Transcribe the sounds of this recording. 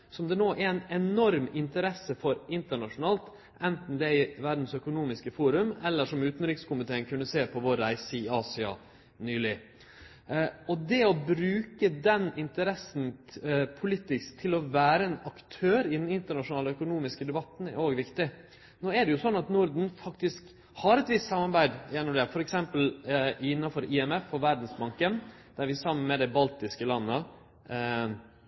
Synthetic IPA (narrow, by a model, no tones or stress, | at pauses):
sɔmd̪ɛnoːʔɛæɾæɪnɛnɔɾmɪnt̪əɾɛsːəfɔɾɪnt̪əɳɑʂʊnɑːlt̪ | ʔɛnt̪n̩d̪ɛɪʋæɾd̪n̩sœkʊnuːmɪskəfuːɾʉmɛlːəʂɔmʉːt̪n̩ɾɪkskʊmɪt̪ʰeːənkʰʉnːəseːpʰɔʋɔɾæɪsəɪɑːsɪɑ̰ | nyːlɪ | ɔd̪ɛɔbɾʉːkəd̪ɛnɪnt̪əɾɛsnpʰʊliːt̪ɪskt̪ʰɪlɔʋæːɾəɛnɑkt̪ʰøːɾɪd̪ɛnɪnt̪əɳɑʂʊnɑːləœkʊnuːmɪskəd̪ɛbɑt̪n̩æ̰ɾoːɡʋɪkt̪ɪ | noːæɖɛjʊsɔnːɑt̪nʊɾd̪n̩fɑkt̪ɪsk | hɑɾɛt̪ʋɪst̪sɑmːɑɾbæɪd̪jɛnːɔmd̪ɛfɔɾɛksɛmpəlɪnːɑfɔɾʔɪɛmɛfːɔɾʋæɾd̪n̩sbɑŋkən | d̪̥æɾʋɪsɑmːənmɛd̪ɛbɑlt̪ɪskəlɑnːə